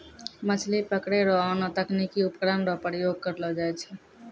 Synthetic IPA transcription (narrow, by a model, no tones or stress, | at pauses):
mət͡ʃʰlipəkɽeɾɔɔnɔt̪əknikiʊpkɾanɾɔpəɾijoɡ̚kəɾlɔd͡ʒaɛt͡ʃʰɛ